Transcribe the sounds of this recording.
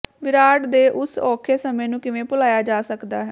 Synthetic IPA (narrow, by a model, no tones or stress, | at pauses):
ʋɪɾaːɖd̪eːʔʊsɔːkʰeːsəmẽːnũːkɪʋẽːpʊlaːjaːd͡ʒaːsəkd̪a̰ːɦɛː